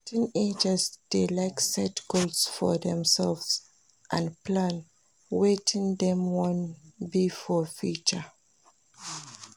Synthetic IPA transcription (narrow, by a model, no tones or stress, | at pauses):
tĩned͡ʒəzd̥elaɪksɛtɡ̥olsfɔðɛ̃msɛlvz | ʔãnplãn | wetʰĩŋdɛ̃mwɔ̃nbifɔfjut͡ʃə